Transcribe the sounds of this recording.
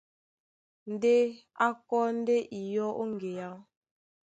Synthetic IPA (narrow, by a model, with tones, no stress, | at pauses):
n̩˨de˦ | a˦kɔ˦n̩˦de˦ʔi˨jɔ˦ʔo˦ŋ˨ɡe˨ja˦